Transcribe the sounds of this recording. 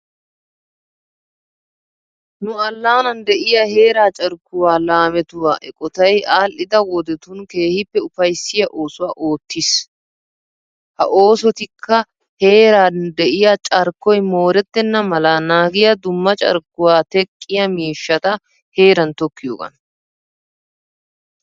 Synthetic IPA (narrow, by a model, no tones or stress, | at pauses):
nʊɐlːaːnɐnd̪ɛʔɪjɐhe̞ːɾaːt͡ʃʼɐɾkːʊwaːlaːmɛt̪ʊwaːʔɛkʼɔt̪ɐjaːlʔɪd̪ɐwɔd̪ɛt̪ʊnke̞ːhɪpːɛʊfɐjsːɪjɐʔo̞ːsʊwaːʔo̞ːt̪ːɪs | hɐ̰ʔo̞ːsɔt̪ɪkʰːɐ | he̞ːɾaːd̪ɛʔɪjat͡ʃʼɐɾkːɔjmo̞ːɾɛt̪ːɛnːɐmɐlaːnaːɡɪjɐd̪ʊmːɐt͡ʃʼɐ̰ɾkːʊwaːt̪ɛkʼːɪjɐmiːʃːɐt̪ɐ | he̞ːɾɐnt̪ɔkːɪjoːɡɐ̰n